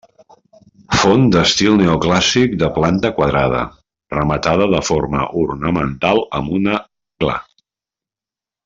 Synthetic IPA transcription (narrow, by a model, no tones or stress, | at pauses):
fond̪əst̪ilˠneuklasik̚d̪əplant̪əkwəðɾaðə̰ | rəmət̪að̞əðəfoɾmə̰ʔurnəmənt̪alˠəmbunə | kla̰